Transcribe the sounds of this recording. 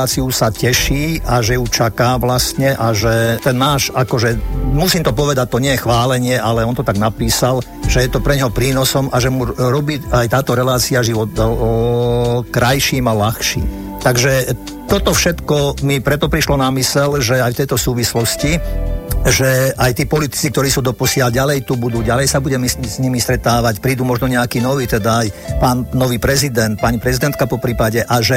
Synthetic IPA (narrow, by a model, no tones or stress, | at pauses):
aːt͡siusacɛʃiːaʒɛjut͡ʃakaːʋlast̪ɲɛʔaʒɛt̪ɛnːaːʃakɔʒɛmusiːmt̪ɔpɔʋɛd̪ac̚t̪ɔɲɪɛjɛxʋaːlɛɲɪɛʔalɛɔnt̪ɔt̪aɡnapiːsal | ʒ̥ɛjɛt̪ɔpɾɛɲɦɔpɾiːnɔsɔmʔaʒɛmuɾɔbiːajt̪aːt̪ɔɾɛlaːt͡siaʒiʋɔt̪ | kɾajʃiːmalaxʃḭːm | t̪aɡʒɛ | t̪ɔt̪ɔfʃɛt̪kɔmipɾɛt̪ɔpɾiʃlɔnamisɛlʒɛajft̪ɛjt̪ɔsuːʋislɔsci | ʒɛʔajt̪iːpɔlit̪i̥t͡sikt̪ɔɾiːsuːd̪ɔpɔsɪalɟalɛjt̪ubud̪uːɟalɛjsabuɟɛmizɲimist̪ɾɛt̪aːʋacpɾiːd̪umɔʒnɔɲɛakiːnɔʋiːt̪ɛd̪aajpaːnnɔʋiːpɾɛzid̪ɛnt̪̚paɲipɾɛzid̪ɛnt̪̚kapɔpɾiːpaɟɛʔaʒɛ